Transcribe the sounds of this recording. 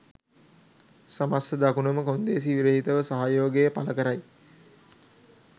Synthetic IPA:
samasəd̪akunəməkond̪eːs̬iʋiɾəɦit̪əʋəsaɦajoːɡejəpaləkəɾaj

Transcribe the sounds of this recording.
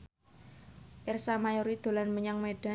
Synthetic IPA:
ʔɪrsamajoɾid̪̥o̤lanməɲaŋmeɖ̥a

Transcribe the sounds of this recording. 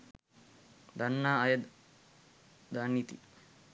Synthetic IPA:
d̪ɐnːaːɐjɐd̪ | d̪aːnːit̪ḭ

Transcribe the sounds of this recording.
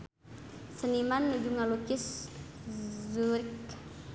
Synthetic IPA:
sənimanːud͡ʒuŋalukis | zuɾik

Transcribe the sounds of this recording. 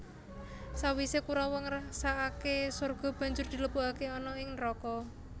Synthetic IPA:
sawisekuɾawɔŋrasaʔakesorɡ̥ɔ̤b̥ä̤ɲd͡ʒʊrd̪̥i̤ləpuakeɔnɔɪŋnrɔkɔ

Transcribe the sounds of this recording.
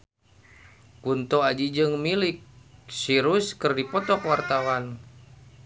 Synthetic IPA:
kunt̪ɔad͡ʒid͡ʒɨŋmilik̚siɾuskɨrdipɔt̪ɔkwart̪awan

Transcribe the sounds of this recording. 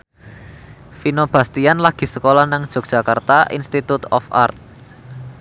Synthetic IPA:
finob̥a̤st̪ianlaɡ̥i̤səkolahnaŋd̥ʒ̥ɔ̤k̚ʒ̥ä̤kart̪aʔḭnst̪it̪ut̪ɔ̰fa̰rt̪̚

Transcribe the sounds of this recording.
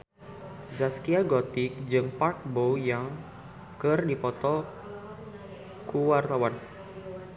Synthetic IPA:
zaskiaɡɔt̪ɪk̚d͡ʒɨŋpark̚bojaŋ | kɨrdipɔt̪ɔ | kuwart̪awan

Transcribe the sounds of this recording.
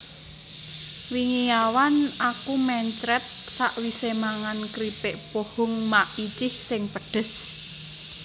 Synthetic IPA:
wiŋijawanakumɛɲt͡ʃɾɛt̪̚saʔwisemaŋankɾipeʔpohʊŋmaʔit͡ʃɪhsɪŋpəɖ̥ə̤s

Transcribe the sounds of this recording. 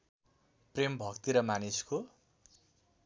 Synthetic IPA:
prembʱʌkt̪iɾʌmanisko

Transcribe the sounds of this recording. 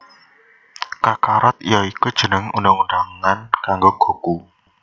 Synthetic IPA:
kakaɾɔt̪̚ijɔikud̥ʒ̥ənəŋundaŋundaŋankaŋɡoɡ̥o̤ku

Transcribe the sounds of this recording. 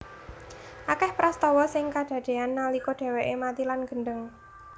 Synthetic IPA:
ʔakɛhpɾast̪ɔwɔsɪŋkaɖ̥ä̤ɖ̥e̤anːalikɔɖ̥e̤weʔemat̪ilanɡ̥ə̤ɳɖəŋ

